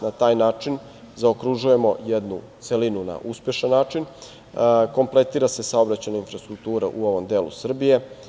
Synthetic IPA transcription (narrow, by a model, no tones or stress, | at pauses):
nat̪aːjnaːt͡ʂin | zaokɾuʒuje̞mo̞jed̪nut̪selinuna̰ʔuspje̞ʃanːaːt͡ʃin | ko̞mplˠe̞t̪iːɾase̞sao̞bɾat͡ɕajnainfɾast̪ɾuk̚t̪uːɾaʔuo̞ʋo̞md̪eːlˠṵsr̩bije̞